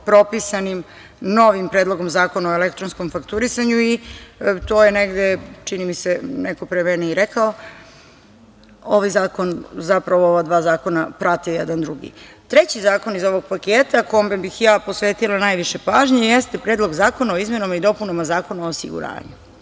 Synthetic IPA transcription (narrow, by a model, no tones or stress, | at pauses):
pɾo̞pisanim | no̞ʋimpɾeːd̪lˠo̞ɡomzaːko̞naoelekt̪ɾonsko̞mfakt̪uɾisaɲuit̪oːjeneɡd̪et͡ʃinimiseneko̞pɾemɛneiɾekao | oʋajzaːko̞nzapɾaʋooʋad̪ʋaːzaːko̞napɾat̪ijɛd̪and̪ɾuɡḭ | t̪ɾet͡ɕizaːko̞nizo̞ʋoɡ̚pakeːt̪ako̞ombbixjaːpo̞sʋeːt̪ilˠanajʋiʃe̞paːʒɲejest̪epɾeːd̪lˠo̞ɡzaːko̞nao̞izme̞namaid̪o̞punomazaːko̞naoːsḭɡṵɾa̰ːɲu